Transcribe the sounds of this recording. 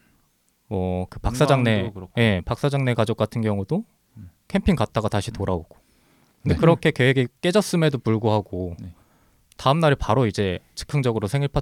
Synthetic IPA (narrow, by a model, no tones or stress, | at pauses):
wʌkɯpakks͈ad͡ʑaŋne̞je̞pak̚s͈ad͡ʑaŋne̞kad͡ʑok̚k͈atʰɯnɡjʌŋudo | kʰe̞mpʰiŋkat̚t͈aɡataɕʰitoɾaoɡ̥o̥ | ndekɯɾʌkʰe̞ke̞weɡik͈e̞d͡ʑʌs͈ɯme̞dopuɭɡoɦaɡo | taɯmnaɾipaɾoid͡ʑe̞t͡ɕɯ̥kʰɯŋd͡ʑʌɡɯɾosʰe̞ŋiɭpʰa